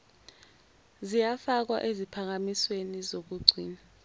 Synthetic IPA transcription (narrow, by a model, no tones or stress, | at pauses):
zijafak̬wa̰ʔezipʰak̬amiswenizok̬uɡ͡ǀʱḭːna